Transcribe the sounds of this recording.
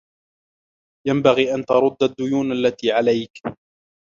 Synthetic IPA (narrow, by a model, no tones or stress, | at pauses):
jambaɣiːʔant̪ɑɾˤʊd̪ːad̪ːʊjuːnʔalːat̪iːʕalajk